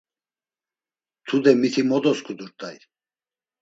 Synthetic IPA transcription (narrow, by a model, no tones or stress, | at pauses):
t̪ʰud̪ɛmit̪ʰimɔd̪ɔskʰud̪uɾt̪ʼaj